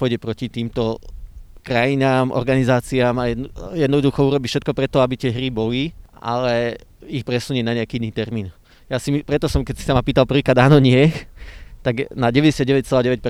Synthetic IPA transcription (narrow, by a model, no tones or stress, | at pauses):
pɔjɟɛpɾɔcit̪iːmt̪ɔ | kɾajinaːmʔɔ̰ɾɡanizaːt͡siaːmajɛjɛd̪nɔd̪uxɔuɾɔbifʃɛt̪̚kɔpɾɛt̪ɔabit̪ɪɛɦɾibɔlia̰lɛixpɾɛsuɲinaɲɛakiːinːiːt̪ɛɾmiːn | jaːsimipɾɛt̪ɔsɔmkɛsi̥samapiːt̪alpr̩ʋikɾaːd̪aːnɔɲɪɛ | t̪aɡnaɟɛʋɛɟɛsɪad̪̚ɟɛʋɛc̚t͡sɛlaːdɟɛʋɛc̚p